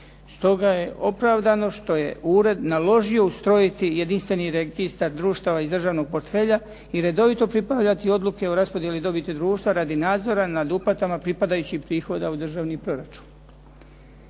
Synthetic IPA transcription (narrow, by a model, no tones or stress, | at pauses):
st̪o̞ɡaje̞ʔo̞pɾaʋd̪ano̞ʃt̪o̞je̞̰uːɾe̞d̪nalo̞ʒio̞ust̪ɾo̞jit̪ijed̪inst̪ʋe̞niɾeɡist̪aɾd̪ɾuːʃt̪aʋaizd̪rʒaːʋno̞ɡ̚po̞ɾt̪fe̞ːʎa | iɾe̞d̪o̞ʋit̪o̞pɾipaʋʎat̪io̞d̪lˠuke̞oɾaspoje̞lid̪o̞bit̪ed̪ɾuːʃt̪ʋaɾad̪inaːd̪zo̞ɾanad̪upat̪amapɾipad̪ajut͡ɕixpɾiːxo̞d̪aud̪r̩ʒaːʋnipɾo̞ɾat͡ʃu̥n